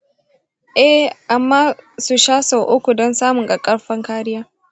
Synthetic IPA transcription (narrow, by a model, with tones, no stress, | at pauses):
ʔɛ˦˨hʔa˨mːaː˦su˨ʃaː˦so˨ʔʊ˦kʷu˨dɔ˦nsaː˦mʊ˨ŋɡa˨kʼɐ˦ɽɸɐ˦ŋkaː˦ɽɪ˦jaː˦